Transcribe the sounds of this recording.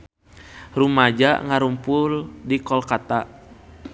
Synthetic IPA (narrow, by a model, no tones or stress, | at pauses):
rumad͡ʒa̰ŋaɾumpʊldikɔlkat̪a